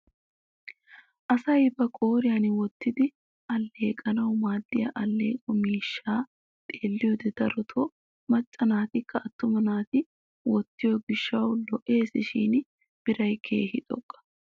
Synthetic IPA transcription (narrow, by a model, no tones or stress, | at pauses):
ʔɐsɐjbɐkʼoːɾɪjanwɔt̪ːɪd̪ɪ | ʔɐlːe̞ːkʼɐnɐwmaːd̪ːɪjɐ̰ʔɐlːe̞̰ːkʼɔmiːʃːaː | t̪ʼeːlːɪjɔd̪ɛd̪̥ɐɾɔt̪ʰɔ | mɐt͡ʃʼːɐnaːt̪ɪkːɐɐt̪ːʊmɐnaːt̪ɪ | wɔt̪ːɪjɔɡɪʃːɐwlɔʔe̞ːsɪʃḭːn | b̥ɪɾɐjkʰe̞̰ːhɪt̪ʼɔ̰kʼːɐ̥